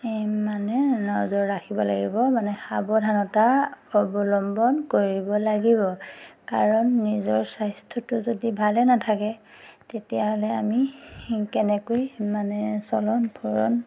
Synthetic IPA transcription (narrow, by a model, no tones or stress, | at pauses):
manɛnɔzɔɹːakʰibɔlaɡḭbɔmanɛxabɔdʱanɔtaɔbɔlɔmbɔnkoɹibɔlaɡibɔkaɹɔnːizɔɹsajstʰɔtʊzodibʱalɛnatʰakɛtetijaɦɔlɛamikɛnɛkojmanɛsɔlɔnpʰuɹɔ̰n